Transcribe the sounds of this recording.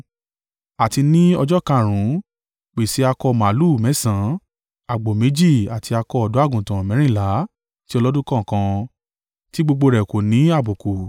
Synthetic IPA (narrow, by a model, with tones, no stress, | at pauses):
a˨ti˧nĩ˦ɔ˧d͡ʒɔ˦kã˧˨ɾ̃ũ˨˦ | k͡pe˨si˨˦a˧kɔ˧mã˨˦lu˦˨mɛ̃˨˦sã˨˦ | a˨ɡ͡bo˨me˨˦d͡ʒi˦˨a˨tʰi˧a˧kɔ˧ɔ˨du˨˦a˦˨ɡũ˨tã˨mɛ̃˨˦ɾ̃ĩ˦˨la˨˦ | ti˦ɔ˧lɔ˦dũ˦kã˦˨kã˧ | ti˦ɡ͡bo˧ɡ͡bo˧ɾɛ˨ko˨nĩ˨˦a˦˨bo˨ku˨